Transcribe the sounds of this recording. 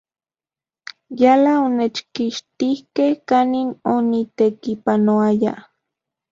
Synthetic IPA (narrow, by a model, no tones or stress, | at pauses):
jalaonet͡ʃkiʃt̪ihkehkaninonit̪ekipanoaja̰